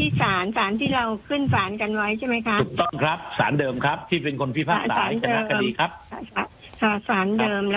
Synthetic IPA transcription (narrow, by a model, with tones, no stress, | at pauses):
iː˥˩saː˩˦nsaː˩˦nt̪ʰiː˥˩ɾa˧wkʰɯ˥˩nsaː˩˦nka˧nwa˦˥jt͡ɕʰa˥˩ma˦˥jkʰa˦˥u˨˩k̚t̪ɔ˥˩ŋkʰɾa˦˥p̚sa̰ː˩˦ndɤː˧mkʰɾa˦˥p̚t̪ʰiː˥˩pe˧nkʰo˧npʰiː˦˥˩pʰaː˥˧˩saːsaː˦˩˦jnt͡ɕda˧ɤː˦˧kʰːa˧diː˧kʰɾa˦˥p̚ʰa˧˩a˧˩ | sʰa˧˩saː˩˦ndɤː˧mlɛ˦˥